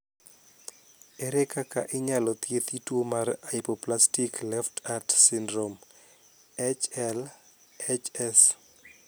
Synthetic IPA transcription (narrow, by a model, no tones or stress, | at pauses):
eɾekaka̰ʔɪɲalɔt̪jet̪itwomaraipoplastiklɛftʰartsɪndɾom | ɛt͡ʃɛl | ɛt͡ʃɛs